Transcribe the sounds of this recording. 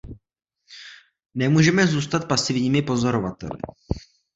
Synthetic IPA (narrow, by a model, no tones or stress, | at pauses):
nɛmuːʒɛmɛzuːst̪at̪̚pasɪvɲiːmɪpo̞zo̞ɾo̞vat̪ɛ̰lɪ̰